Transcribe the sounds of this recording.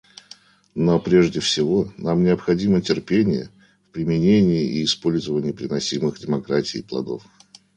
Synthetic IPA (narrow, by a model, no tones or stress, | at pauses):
nopɾʲeʐdʲɪfsʲɪvo̞namnʲɪəpxɐdʲimətʲɪrpʲenʲɪjə̰ | fpɾʲɪmʲɪnʲenʲɪɪʔiːspo̞lʲzəvənʲɪjəpɾʲɪnɐsʲimɨxdʲɪmɐkɾatʲɪ̰ːplˠɐ̰d̪o̰f